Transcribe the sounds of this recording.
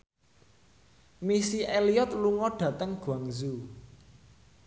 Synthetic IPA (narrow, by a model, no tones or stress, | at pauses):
misiʔeliɔt̪̚luŋɔɖ̥ä̤t̪əŋɡ̥uaŋzu